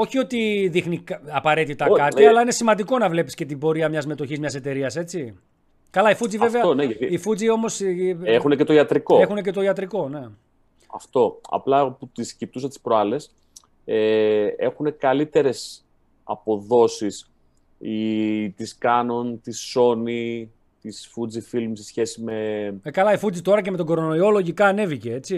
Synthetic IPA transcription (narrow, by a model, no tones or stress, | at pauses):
o̞çio̞t̪iðixnikɐpɐɾe̞t̪it̪ɐkkɐt̪iɐlɐine̞simɐnd̪iko̞nɐvle̞pi̥scet̪̬ibo̞ɾiɐmɲɐzme̞t̪o̞çizmɲɐse̞t̪e̞ɾiɐse̞t͡si | kɐlɐifud͡ziveve̞ɐoneʝɐt̪iifud͡zio̞mo̞sexunecet̪o̞iɐt̪ɾikoexune̞ce̞t̪o̞iɐt̪ɾiko̞ne̞ | ɐ̰ft̪o̞ɐ̰plɐput̪iscip̚t̪usɐt̪i̥spɾoɐle̞s | ee̞xune̞kɐlit̪e̞ɾe̞s | ɐ̰po̞ðo̞sis | it̪iskɐnunt̪iso̞ni | t̪isfud͡zifilmsesçe̞sime̞mekɐlɐifud͡zit̪o̞ɾɐce̞met̪o̞ɡo̞ɾono̞io̞lo̞ʝikɐːne̞vice̞e̞t͡si